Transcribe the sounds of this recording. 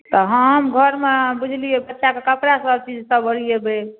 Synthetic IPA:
t̪ɔɦəmɡʱəɾmebud͡ʒʱliebətːʃakekəpɾasəb̚t͡ʃid͡ʒsəbəɽijebe

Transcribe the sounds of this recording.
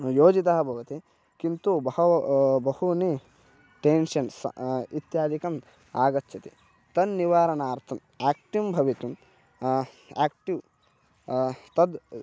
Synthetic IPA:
joːd͡ʒit̪ɐɦɐbʱoːɡɐt̪i | kint̪ubɐhɐbɐhuni | ʈeːnʃɐnsɐ̰it̪jaːd̪ʱikɐm | aːɡɐt̪ːʃɐt̪ḭ | t̪ɐnːiʋaːɾɐnaːɾt̪ʰɐm | aːk̚ʈimbʱɐʋit̪um | a̰ːk̚ʈiʋ | t̪ɐd̪

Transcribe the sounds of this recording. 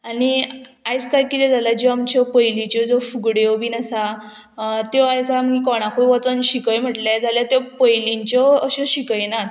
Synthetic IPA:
aniajt͡skajkit̪ɛd͡zalad͡ʑeamt͡ɕɔpəjlit͡ɕɔd͡zofuɡɽɔbʱiːnasa | t̪ɔajt͡saməɡikɔɽ̃akʰojʋɔt͡sənɕikəjm̤əʈljad͡zaljat̪jepəjliɲt͡ɕɔəɕɔ̃ɕikəjnat̪

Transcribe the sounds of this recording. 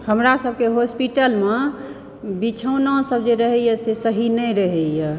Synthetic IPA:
həmɾasəb̚ʱkeɦospiʈəlmẽ | bit͡ʃʰəwnasəbd͡ʒeɾəɦɛjjɛsesəɦinəjɾəɦɛjɛ

